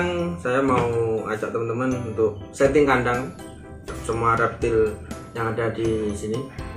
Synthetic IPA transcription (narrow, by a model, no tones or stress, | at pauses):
ŋsajamaua̰t͡ʃaʔ̚t̪əmənt̪əmənunt̪ʊk̚sɛt̪ɪŋkandaŋ | səmuaɾap̚t̪ɪl | jaŋadadisini